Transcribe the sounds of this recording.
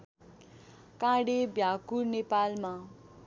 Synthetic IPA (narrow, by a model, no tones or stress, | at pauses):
kãɽebjakurnepalma